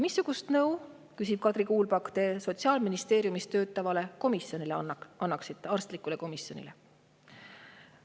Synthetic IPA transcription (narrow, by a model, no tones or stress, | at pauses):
misːuɡ̥ust̪nɤw | kysib̥kɑd̪̥ɾikuːlbɑkt̪e̞so̞t̪siɑːlminist̪e̞ːɾjumist̪ø̞ːt̪ːˑɑvɑle̞ko̞misjo̞nileɑnːɑksit̪ːˑeɑrst̪likˑuleko̞misjo̞nʲḭlḛ